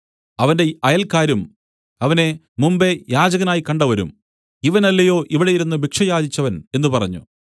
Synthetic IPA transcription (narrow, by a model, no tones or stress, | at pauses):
ɐʋɐnde̞ɐjɐlkaːɾum | ɐʋɐne̞ | mumbe̞jaːd͡ʑɐɣɐnaːjikɐɳɖɐʋɐɾṵm | iʋɐnɐlːɐjo̞ːʔiʋiɽejiɾunːɨbikʂɐjaːd͡ʑit͡ɕːɐʋɐne̞nːupɐrɐ̰ɲːṵ